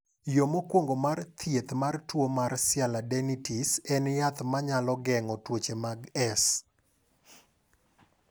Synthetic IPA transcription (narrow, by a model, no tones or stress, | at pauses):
jomokwoŋɡomart̪ʰjet̪martwomarsɪaladɛnitisɛnjat̪maɲalɔɡɛŋɔtwot͡ʃemaɡɛs